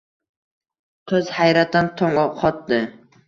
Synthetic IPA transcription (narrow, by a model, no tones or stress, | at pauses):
kʰɵzhajɾat̪ːant̪ʰɒŋɑqʰɒt̪̚d̪ɪ